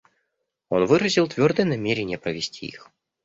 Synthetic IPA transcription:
o̞nvɨɾəzʲilˠt̪vʲo̞rd̪əjənɐmʲeɾʲɪnʲɪjəpɾəvʲɪsʲtʲʰḭḭx

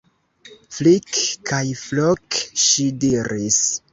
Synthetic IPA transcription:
flikkajflokʃidiɾis

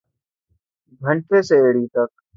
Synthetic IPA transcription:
ɡʱə̃ɳʈʰeːseeːɽiːt̪ək̚

